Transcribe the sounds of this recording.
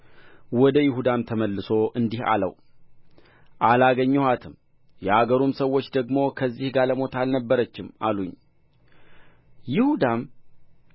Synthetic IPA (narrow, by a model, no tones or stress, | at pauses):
wɔd̪əjɪhud̪amt̪ʰəməlːɨso̞ʔɨnd̪iha̰lə̰w | ʔalaɡəɲːɛhat̪ʰɨm | jɛaɡəɾumsəwːot͡ʃːd̪əɡmo̞kʰəzːihɡaləmo̞t̪ʰalnəbːəɾət͡ʃːɪma̰luɲ | jɪhud̪am